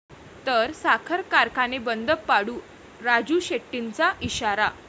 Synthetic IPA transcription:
t̪əɾsakʰəɾkaɾkanebənd̪əpːaɽuː | ɾad͡ʑuːɕeʈːint͡saʔiɕaɾa

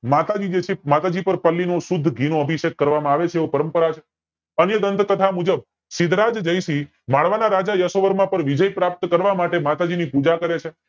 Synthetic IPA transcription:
mat̪ad͡ʒid͡ʒet͡ʃʰemat̪ad͡ʒipəɾpəlːinosʊd̪ʱːɡʱinoəbʱiʃekːəɾʋamãaʋet͡ʃʰeʋopəɾəmpəɾat͡ʃʰe | ənjəd̪ənt̪kət̪ʰamud͡ʒəb̚ | sɪd̪ɾad͡ʒd͡ʒəjʃi | maɭʋanaɾad͡ʒajəsoʋəɾmãpəɾʋid͡ʒəjpɾap̚t̪kəɾʋamaʈemat̪ad͡ʒinipud͡ʒakəɾet͡ʃʰe

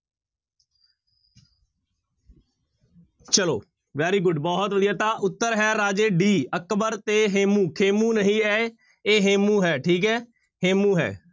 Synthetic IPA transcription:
t͡ʃəlo̰ː | ʋɛːɾiːɡʊɖbɔːɦt̪ʋəd̪ijaːt̪aːʔʊt̪ːəɾɦɛːɾaːd͡ʒeːɖiːəkbəɾt̪eːɦeːmũːkʰeːmũːnəɦĩːɛː | eːɦeːmũːɦɛːʈʰiːkɦɛː | heːmũːɦɛ̰ː

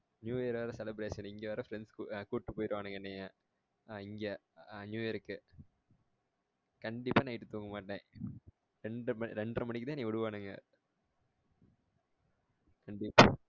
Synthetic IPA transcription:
njuːjɐɾʋɐɾɐsɛlɪbɾeːʂɐnɪŋɡeʋɐɾɐfɾɛnskːkuːʈːɯpːoːjɪɾɯʋaːnɯŋɡɐɛnːɐjaː | ɪŋɡɐɲjuːjɐɾɯkːɯ | kɐɳɖɪpːaːnɐɪʈːɯt̪uːŋɡɐmaːʈːẽː | ɾɛɳɖɯmɐɾɛɳɖrɐmɐnɪk̬ːɯt̪ãːnĩːɔɽɯʋaːnɯŋɡɐ̰ | kɐɳɖɪpːaː

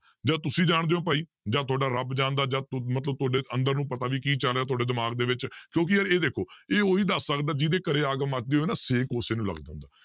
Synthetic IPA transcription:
d͡ʒaːt̪ʊsĩːd͡ʒaːɳd̪eːoːpəːiː | d͡ʒaːt̪ʰʊaːɖaːɾəbd͡ʒãːnd̪aːd͡ʒaːmət̪ləb̚t̪ʊaːɖeːənd̪əɾnũːpət̪aːʋiːkiːt͡ʃəlaːt̪̬ʰʊaːɖeːd̪ɪmaːɡd̪eːʋɪt͡ʃkjõːk̬ɪəɾeːd̪eːkʰoːeːoːiːd̪əsːəkd̪aːd͡ʒɪd̪eːkəɾeːaːɡəmat͡ʃ̚d̪eːɦoːnaːseːkoːseːnũːlə̰ɡd͡ʒã̰ːʊ̃nd̪aː

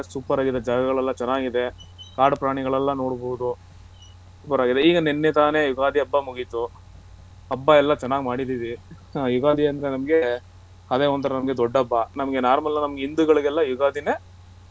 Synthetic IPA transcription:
suːpɐɾaːɡid̪ɐd͡ʒaːɡɐɡɐɭɛlːɐt͡ʃɛnːaːɡid̪ekaːɾɽpɾaːɳiɡɐɭɛlːɐno̞ːɽboʋud̪u | suːpɐɾaːɡid̪eiːɡɐnenːet̪aːnejuɡaːd̪iɐbːɐmuɡit̪u | ɐbːɐɛlːɐt͡ʃɛnːaːɡimaːɽid̪idi | juɡaːd̪iɐnd̪ɐɾenɐmɐɡe | ɐd̪eːɔnt̪ɐɾɐnɐmɐɡe̞d̪ɔɖːɐbːɐnɐmɐɡe̞naːɾmɐlnɐnɐmɐɡeind̪uɡɐɭiɡɛlːɐjuɡaːd̪ine

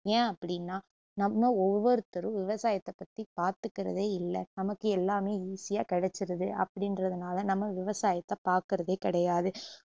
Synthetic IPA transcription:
ẽːɐpːɐɽɪnːaː | nɐmːɐɔʋːɔɾɯt̪ɐɾɯʋɪʋɐsaːjɐt̪ːɐpːɐt̪ːipaːɾt̪ɯkːɪɾɐ̰ðeːɪlːɛnɐmɐkːɯɛlːaːmeːiːsɪjaːkɛɽɛt͡ʃːɪɾɐðɯʔɐ̰pːɐɽɪnɾɐðɯnaːlɐnɐmːɐʋɪʋɐsaːjɐt̪ːɐpaːɾkɪɾɐðeːkɪɽɐjaːðɯ

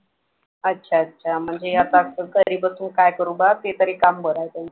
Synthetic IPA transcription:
ətːɕʰaətːɕʰam̤əɳd͡zejat̪aəkəɾiːbəsuːnkajkəɾubat̪et̪əɾekambʱəɾajt̪am

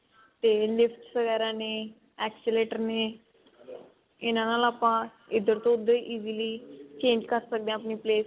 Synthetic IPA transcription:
t̪elɪfʈsəɡɛːɾãne | ɛksɪleʈəɾne | ɪnãnaːlaːpã | ɪd̪ːəɾt̪õʊd̪ʱːəʔiːziliːt͡ʃẽːɲd͡ʒkəɾsək̚d̪ẽapniːpleːs

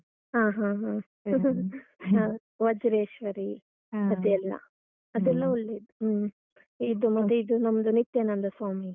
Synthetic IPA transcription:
ɦaːɦãːɦã | a | ʋɐd͡ʒɾeːʃʋɐɾi | ɐd̪ɛlːɐ̰ | ɐd̪ɛlːɐuɭːeːd̪u | id̪umɐt̪ːeid̪unɐmɐd̪unit̪ːeːnɐnd̪ɐsaːmi

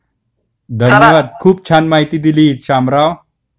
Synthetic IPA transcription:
d̪ʱənjəʋad̪̚kʰuːp̚t͡ɕʰanmaɦit̪iːd̪iliːɕamɾaʋ

